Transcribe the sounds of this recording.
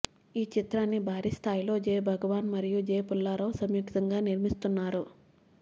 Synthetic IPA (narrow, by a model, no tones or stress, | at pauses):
iːt͡ʃit̪ɾaːnːibʱaːɾist̪ʰaːjilo̞ːd͡ʒeːjbʱɐɡɐʋaːnmɐɾijud͡ʒeːpulːaːɾɐʋsɐmjiːkt̪ɐŋɡaːniɾmist̪unːaːɾu